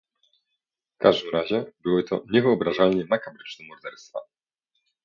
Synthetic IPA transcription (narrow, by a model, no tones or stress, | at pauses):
fkaʐd̪ɘmɾaʑɛbɘwɘt̪ʰɔ̰ɲɛvɘɔbɾaʐalɲɛnakabɾɘt͡ʂnɛmɔɾd̪ɛɾst̪fa̰